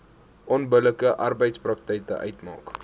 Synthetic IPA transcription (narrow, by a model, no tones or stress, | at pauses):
ʔɔnbələkəʔɐrbəjtsprɐk̚tɛjkə̰ʔœ̰ɥtmɑ̰ːk